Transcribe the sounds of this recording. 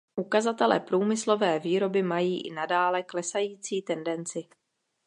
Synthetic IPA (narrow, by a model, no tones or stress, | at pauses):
ʔukazat̪ɛlɛ̰ːpɾuːmɪslo̞vɛːviːɾo̞bɪmajiːʔɪ̰nadaːlɛklɛsajiːt͡siːt̪ɛndɛnt͡sɪ